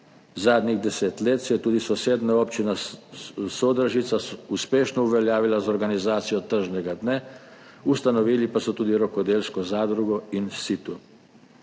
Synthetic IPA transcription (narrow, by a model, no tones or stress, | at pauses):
zaːd̪niɣd̪ɛseːt̪leːt̪sjɛt̪uːd̪isɔseːd̪naopt͡ʃina | sod̪ɾaʒit̪sasuspeːʃnɔuʋɛljaːʋilazɔɾɡanizaːt̪sijɔt̪əɾʒnɛɡad̪nɛ | ust̪anɔʋiːlipasɔt̪uːd̪iɾɔkɔd̪eːlskɔzaːd̪ɾuɡɔinsit̪u